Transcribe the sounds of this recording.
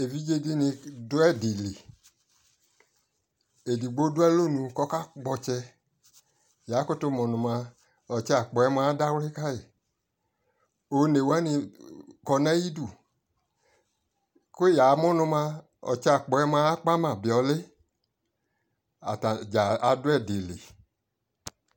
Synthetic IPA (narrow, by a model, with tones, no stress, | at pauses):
e˨vi˦d͡ʒe˧di˦nĩ˧dʊ˦ɛ˦di˨li˨ | e˨di˨ɡ͡bo˦dʊ˦ɛ˦lo˦˨nũ˧kɔ˦ka˦ɡ͡bɔ˧t͡ʃɛ˧ | ja˨˦ko˦to˦mɔ˨nʊ̃˧mã˧ | ɔ˨t͡ʃɛ˧a˨k͡pɔ˨ɛ˧˦ma˧˦da˦wle˦ka˦je˨ | o˧ne˨wɛ˦nĩ˧kɔ˧nɛ˦ji˦du˦˨ | ko˦ja˨˦mɔ̃˦nũ˧mã˧ | ɔ̰˨t͡ʃɛ˧a˨k͡pɔ˨ɛ˧mã˧˦k͡pa˦mã˦˨bi˨ɔ˧le˦ | a˨ta˨d͡ʒa˨a˧dʊ˦ɛ˦˨de˨lḛ˨